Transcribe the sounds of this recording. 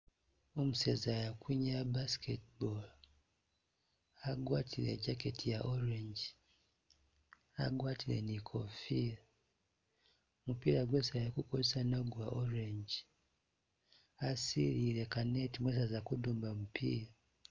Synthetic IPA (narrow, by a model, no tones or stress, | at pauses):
omusezajakwiɲabaskʰetbol | aɡwaːtʰilḛɟaketʰijaʔoɾeɲɟi | a̰ɡwaːtʰilḛnikʰofiɾa | mupiːɾaɡwesaajakukozesanaɡwaʔoɾeɲɟi | asiɾiɾekanetimwes̬azakuduːmbamupʰiːɾa